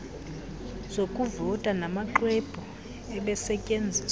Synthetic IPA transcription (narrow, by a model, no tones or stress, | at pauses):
z̥okʼuvɔtʼanamaǃweb̥ʱu | ɛɓɛsɛcʼend͡zʱi